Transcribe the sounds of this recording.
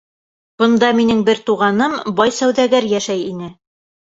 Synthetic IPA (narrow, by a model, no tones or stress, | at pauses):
b̥ɤ̆nd̪ɑminɘŋbɘɾt̪uʁɑnɤmbɑjsæwðæɡæɾjæʃæjinɘ